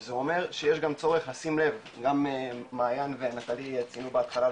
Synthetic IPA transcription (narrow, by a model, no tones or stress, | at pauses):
zeo̞me̞ʁʃejeʃɡamt͡so̞ʁe̞χlasimle̞v | ɡammaːjanvenat̪alijat͡sinubeat̪χala